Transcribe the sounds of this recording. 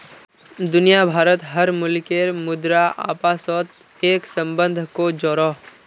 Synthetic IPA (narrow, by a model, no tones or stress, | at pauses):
d̪ʊnijabʱaːɾət̪ɦəɾmʊlkeɾmʊd̪ɾaʔa̰ːpaːsɔːt̪ | eːksə̃mbə̃nd̪ʱkod͡ʒɔːɾoː